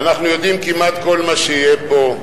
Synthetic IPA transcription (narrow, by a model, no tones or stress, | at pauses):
anaχnujo̞d̪imkimat̪ko̞lmaʃeijebo̞